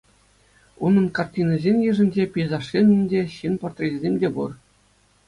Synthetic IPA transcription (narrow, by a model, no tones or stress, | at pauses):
unɤ̆nkɑrtʲinɤ̆zʲenʲjɯ̆ʐɘ̆nʲd͡ʑepʲijzɑʂːʲenʲɘ̆nʲdʲeɕinport̪rʲetʲzʲemʲdʲebur